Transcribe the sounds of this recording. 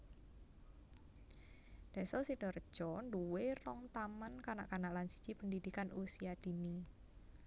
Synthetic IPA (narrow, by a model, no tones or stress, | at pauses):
d̥ɛsɔsiɖ̥ɔr̥d͡ʒ̥ɔnduwerɔŋt̪amankanaʔkanaʔlansi̥t͡ʃipəndidikanusiad̥i̤ni